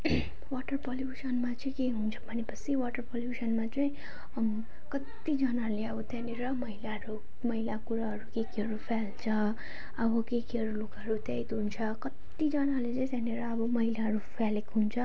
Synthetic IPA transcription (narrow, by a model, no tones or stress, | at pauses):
waʈʌrpʌljusʌnmat͡sʌĩkeɦunt͡sʰʌ̥bʱʌnepʌt͡sʰiwaʈʌrpʌljusʌnmat͡sʌĩ | kʌt̪ːid͡zʌnaleʌbʌt̪janeɾʌmʌɦilaɦʌɾu | mʌɦilakuɾaɦʌɾukekiɦʌɾupʰalt͡sʰʌ | ʌbʌkekiɦʌɾulukʌɾut̪ejt̪ɦunt͡sʰʌkʌt̪ːid͡zʌnalet͡sʌj̃t̪janeɾʌʌbʌmʌɦilaɦʌɾupʰalekɦunt͡sʰʌ